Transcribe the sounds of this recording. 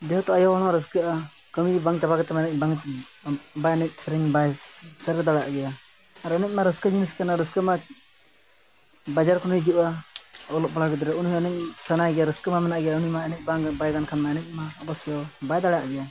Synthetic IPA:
d͡ʒɛɦɔt̪ɔajɔɔɽ̃ɔɾəskəʔa | kəmibaŋt͡ʃabaɡɛt̪ɛmanɛc̚baŋ | bajnɛc̚sɛɾɛŋbajsəɾd̪aɽa̰ʔɡɛjaː | ɾənɛc̚maɾəskad͡ʒimiskanaɾəskəma | bad͡ʒaɾkʰɔnəjd͡ʒiʔaɔlɔʔbɔɽaɡɛd̪ɾɛunhɔənɛc̚sanajɡɛjaɾəskəmamɛnaʔɡɛjaunimaɛnɛc̚baŋbajɡankʰanmaɛnɛt̚ˀmaɔbɔsjɔbajd̪aɽjaʔɡɛja

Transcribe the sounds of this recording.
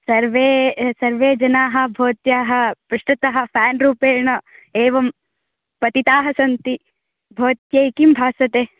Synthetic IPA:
sɐɾʋeːsɐɾʋeːd͡ʒɐnaːɦɐ̆bʱoːt̪jaːɦɐ̆pɾɪʂʈɐt̪ɐɦɐ̆pʰæːnɾuːpeːɳɐeːʋɐm | pɐt̪it̪aːɦɐsɐnt̪i | bʱoːt̪jɐjkimbʱaːsɐt̪eː

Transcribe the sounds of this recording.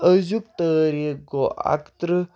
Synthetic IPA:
əzuk̚t̪əːɾeɡoʔa̰kt̪ɾə

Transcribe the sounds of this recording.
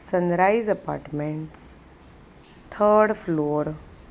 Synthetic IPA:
sə̃nɾaːizɐpa̰ːɾʈmẽɳʈs | t̪ʰəɾɖfloːɾ

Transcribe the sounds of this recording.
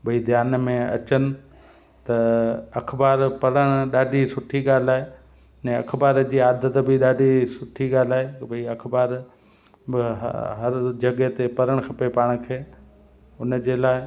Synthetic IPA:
bʱɐid̪ʱjaːnmẽɐ̰t͡ɕənɪ̆ | t̪ɐɐkʰbaːɾpɐɾəɽ̃ɗaːɖʱisʊʈʰiɠaːl̤aːe | ɛ̃ːɐkʰbaːɾd͡ʑiːaːd̪ət̪bɪɗaːɖʱisʊʈʰiɠaːl̤aːɦebʱiɐkʰbaːɾ | ɪ̰ɦɐɾd͡ʑɐɠet̪epɐɾəɽ̃kʰɐpepaːɽ̃kʰeː | ʊnd͡ʑeːlaːɪ

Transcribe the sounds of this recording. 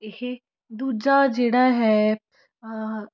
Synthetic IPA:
ehe | d̪uːd͡ʒad͡ʒeːɽaɦɛː

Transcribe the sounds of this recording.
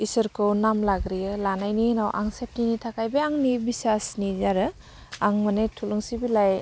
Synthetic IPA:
isəɾkʰɯwnamlaɡɾijɯlanajninawʔa̰ŋsep̚ninitʰakʰajbeaŋnibisasnizaɾɯ | aŋmanetʰuluŋsibilaj

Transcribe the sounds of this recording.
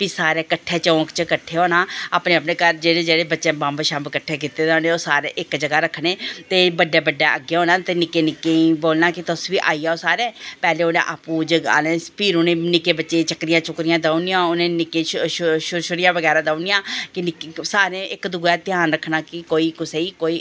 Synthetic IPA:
pisaːɾeːkəʈʰːeːt͡ʃəːkt͡ʃəkəʈʰːeːɦoːnaːaːpneːəpneːkəɾd͡ʒeːɽeːd͡ʒeːɽeːbətːʃẽːbãːmbəʃãːmbkəʈʰːeːk̬ɪt̪eːd̪aːneːoːsaːɾḛːʔɪkd͡ʒəɡaːɾəkʰːneːt̪eːbəɖːeːbəɖːaːʔəɡːeːɦoːnaːt̪eːnɪkːeːnɪkːẽːiboːlnaːkɪt̪əsʋiːʔaːiːjaːoːsaːɾɛ̃ːpɛːleːʊnḛ̃ːʔaːpũːd͡ʒəɡa̰ːneːpʰɪɾʊnẽːnɪkeːbətːʃeːt͡ʃəkɾɪjãːt͡ʃʊkɾɪjãːd̪aːunɪjãːʊnẽːnɪkẽːʃʃʊɾʃʊɾɪjãːʋəɡɛːɾaːd̪aːnɪjãːkɪnɪkesaːɾẽːʔɪkd̪ʊɡɛːt̪ɪjaːnɾəkʰːnaːkɪkoːiːkʊseiːkoːiː

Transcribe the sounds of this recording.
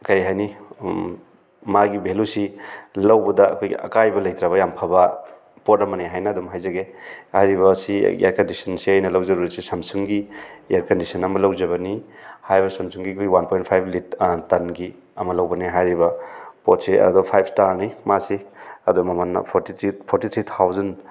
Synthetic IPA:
kɐjɦajni | maɡibʱelusilɐwbɐdɐ̰ːkʰoj̰ɐ̰kajbɐlɐjt̪ɾaβɐjampʰabɐ | potɐmɐniɦajnɐːdumɦajzɐɡehajɾiβɐːsiḭjaɾkɐndisɐnsiajnɐlɐwzɐɾuɾɐtsisɐmsuŋɡiaɾkɐndisɐnɐmɐlɐwzɐβɐnihajbɐsɐmsʰuŋɡiɐkʰojɡwanpʰojnt̚pʰajblit̚tɐnɡi | ɐmɐlɐwbɐniɦajɾibɐpot̚siʔɐ̰dɔpʰajp̚stalnimasiɐdɔmɐmanːɐ̰pʰotitʰipʰoɾtit̪ʰɾit̪ʰawzɐn

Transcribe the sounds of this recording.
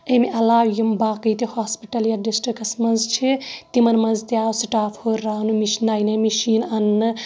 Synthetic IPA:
ɐmiʔɐlaːwjimbaːkɐjt̪ihaːspiʈɐljaɖisʈɾikɐsmɐnzt͡ʃʰit̪imɐnmɐnzt̪jaːsiʈaːfʰhoɾɾaːnumiʃnaːjnɐmiʃiːnɐnːɨ

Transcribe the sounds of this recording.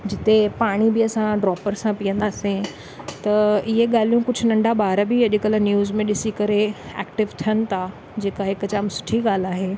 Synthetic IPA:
d͡ʑɪt̪epaːɽ̃ibɪɐsãɖɾɔːpəɾsãpijə̃nd̪aːsẽ | t̪ɐɪɦeɠaːlijũkʊd͡ʑʱʊnɐ̃ɳɖaɓaːɾbiɐʄɪkəlnjuːzmẽɗɪsikɐɾeɛ̰ːkʈɪʋt̪ʰijənɪ̆t̪ʰa | d͡ʑeːkaɦɪkt͡ɕaːmsʊ̥ʈʰiɠaːl̤aːɦeː

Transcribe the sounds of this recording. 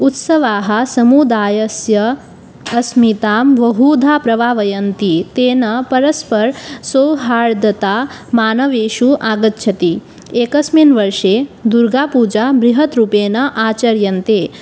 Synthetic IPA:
ut̪sɐʋaːɦɐ̆sɐmud̪aːjɐsjɐ | ɐsmit̪aːmʋɐɦuːd̪ʱaːpɾɐʋaːʋɐjɐnt̪it̪eːnɐpɐɾɐspɐɾsowɦaːɭd̪ɐt̪aːmaːnɐʋeːʃuʔaːɡɐt̪̚t͡ʃʰɐt̪i | eːkɐsminʋɐɾʂeːd̪uɾɡaːpuːd͡ʒaːbɾiɦɐt̪ɾupeːnɐʔaːt͡ʃɐɾjɐnt̪eː

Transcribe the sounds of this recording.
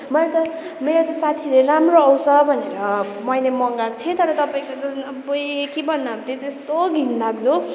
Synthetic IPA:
mʌlt̪ʌ | meɾot̪ʌsat̪ʰileramroʌwsʌbʱʌneɾʌ | mʌjlemʌŋɡakt͡s̪ʰẽt̪ʌɾʌt̪ʌpaĩkot͡sʌ | bʌjkibʱʌnːʌt̪et̪est̪oɡʱind̪akd͡zo

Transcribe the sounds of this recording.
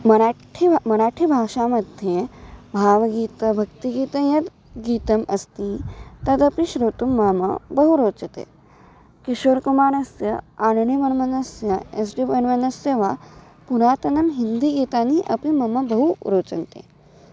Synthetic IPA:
mɐɾaːʈʰimɐɾaːʈʰibʱaːʃamɐd̪ʱjebʱaːʋɐɡiːt̪ɐbʱɐk̚t̪iɡiːt̪ɐjɐt̪ | ɡiːt̪ɐmɐst̪ĩt̪ɐd̪ɐpiʃɾoːt̪umːaːmɐ̰bɐɦuɾoːt͡ʃɐt̪ḛː | kiʃoːɾkumaːɾɐsjɐanɳimɐnmɐnɐsjɐes̬ɖibɐnmɐnɐseːʋa | puɾaːt̪ɐnɐmɦind̪iɡiːt̪aːniʔɐpimɐmɐbɐɦuɾoːt͡ʃɐnt̪ḛː

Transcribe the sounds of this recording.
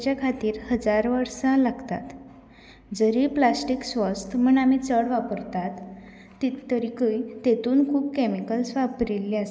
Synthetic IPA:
t͡ɕjakʰat̪iːɾhəd͡zaɾʋəɾsãlaɡt̪a̰t̪ | d͡zəɾiːplasʈiksʋəst̪ʰm̤əɳam̤it͡səɽʋapəɾt̪at̪ː | əɾikəjt̪et̪uːnkʰuːb̚kɛmikəlsʋapɾilːias

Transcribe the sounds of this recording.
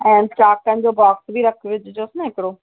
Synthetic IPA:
ɛ̃ːnʈaːkə̃n̆d͡ʑoːbɔːksbʱiɾɐkʰʋɪd͡ʑʱd͡ʑoːsɪnɛɦɪkɪɽoː

